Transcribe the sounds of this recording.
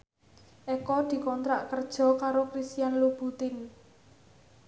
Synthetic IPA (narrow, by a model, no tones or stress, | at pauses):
ʔɛkɔd̪̥i̤kɔnt̪ɾaʔkərd̥ʒ̥ɔ̤kaɾokɾist̪ijanlub̥ut̪ɪn